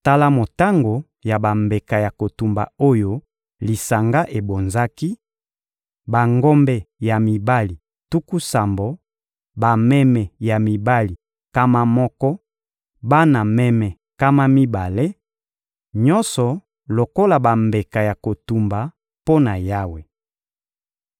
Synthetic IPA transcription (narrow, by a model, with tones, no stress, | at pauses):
ta˦la˦mo˨ta˦ŋɡo˨ | ja˨ba˨mbe˨ka˨ja˨ko˨tu˨mba̰˨o˦jo˦ | li˨sa˨ŋɡa˦ʔe˨bo˨nza˦ki˦ | ba˨ŋɡɔ˦mbɛ˦ja˨mi˨ba˦li˨ | tu˦ku˦sa˨mbo˨ | ba˨mɛ˦mɛ˨ja˨mi˨ba˦li˨ | ka˦ma˦mɔ˦kɔ˦ | ba˦na˨mɛ˦mɛ˨ | ka˦ma˦mi˦ba˨le˦ | ɲɔ˦nsɔ˨ | lo˨ko˦la˨ba˨mbe˨ka˨ja˨ko˨tu˨mba˨ | po˦na˨ja˦we˨